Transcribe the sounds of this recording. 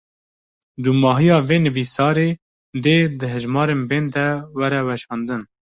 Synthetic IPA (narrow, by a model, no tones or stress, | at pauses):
d̪umɑːɦijɑːveːnɨviːsɑːɾeː | d̪eːd̪ɨɦɨʒmɑːɾeːnbeːnd̪ɛwɛɾɛwɛʃɑːnd̪ɨn